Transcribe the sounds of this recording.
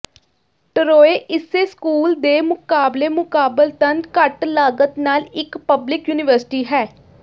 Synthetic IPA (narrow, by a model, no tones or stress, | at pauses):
ʈəɾoːeːʔɪseːskuːld̪eːmʊkaːbleːmʊkaːbəlt̪ənkəʈlaːɡət̪naːlɪkpəblɪkjuːnɪʋəɾsɪ̥ʈiːɦɛː